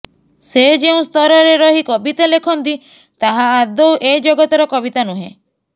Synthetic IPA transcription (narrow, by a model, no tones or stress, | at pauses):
sed͡ʒeũst̪ʰɔɾɔɾeɾɔɦikɔbit̪alekʰɔnt̪i | t̪aɦaːd̪owʔed͡ʒoɡɔt̪ɔɾɔkɔbit̪anuɦḛ̃